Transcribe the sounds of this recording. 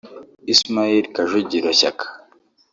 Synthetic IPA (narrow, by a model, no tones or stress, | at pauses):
ismaiɾkaʒuɟiɾoɕakʰḁ